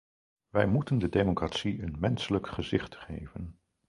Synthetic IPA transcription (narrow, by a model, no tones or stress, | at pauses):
ʋɛjmutəndədemokratsiənmɛnsələkχəzɪχtχejvən